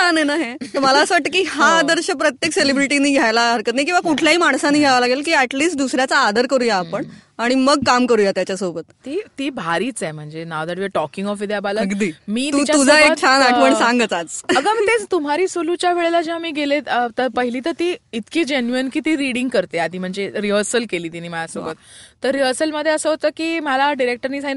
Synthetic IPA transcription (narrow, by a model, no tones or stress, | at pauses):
nanəjnaɦẽt̪əməlaəsəʋaʈːəkiːɦad̪əɾɕəpɾət̪jekselibɾiʈiniːɡʱjajlaɦəɾkət̪najkĩʋakuʈʰljaɦimaɳ̃sãnːiːɡʱjaʋalaɡelkiːɛʈliːsʈ̚d̪usɾjat͡saːd̪əɾkəɾuːjaːpəɳaɽ̃iməɡ̚kamkəɾuːjat̪jat͡ɕjasobət̪t̪iːt̪iːbʱaɾiːt͡sɛm̤əɳd͡zenaʋd̪aɽʋjeʈɔkiŋɡɔfʋid̪jabaləəɡd̪iːmiːt̪it͡ɕaud͡zʱaek̚t͡ɕʰanapəɳsãŋɡət͡sat͡səɡamət̪et͡st̪um̤aɾiːsolut͡ɕjaʋeɭelad͡ʑiamiːɡeleət̪əɾpəɦiliːt̪əɾt̪iːit̪kiːd͡ʑenjuənkiːt̪iːɾiɽiŋɡkəɾt̪ead̪ʱiːm̤əɳd͡zeɾiɦəɾsəlkeliːt̪inːiːməlasobət̪t̪əɾːiɦəɾsəlməd̪ʱːjeəsəɦot̪əːkiːməlaɖiɾek̚ʈəɾniːd͡zain